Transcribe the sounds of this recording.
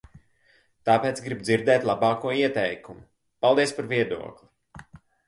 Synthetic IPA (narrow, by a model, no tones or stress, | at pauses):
t̪aːpeɛːt̪sɡɾibd̪ziɾd̪ɛːt̪ʲlˠabɑːkuɔiɛt̪ɛjkumu | palˠd̪iɛspaɾviɛd̪ṵɔklʲˠi